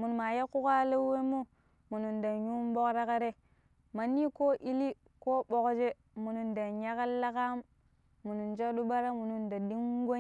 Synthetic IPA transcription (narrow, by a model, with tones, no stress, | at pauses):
mu˨n˨ma˨ja˦ku˦ka˦le˦we˦mu˦ | mu˨nu˨nda˨ɲu˦mbo˦kɾa˦ka˦ɾe˦ | ma˨nːi˦ko˦ʔi˦li˦ | ko˦bo˨kd͡ʒe˦ | mu˨nu˨nda˨ɲa˦ka˦la˦ka˦mː | u˨nu˨nd͡ʒa˦ɗu˦ba˦ɾa˦mu˨nu˨nda˨di˦ŋ˦ɡo˦